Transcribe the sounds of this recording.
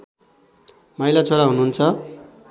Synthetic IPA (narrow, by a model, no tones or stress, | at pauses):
mʌilat͡sʰoɾaɦunuunt͡sʰʌ